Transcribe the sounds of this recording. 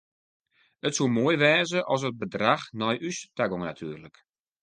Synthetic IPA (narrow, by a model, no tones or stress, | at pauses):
ətsumoəjʋɛːzəʔɔs̬ət̚bədraxnɔjʔystaɡɔŋna̰tʰyːrlək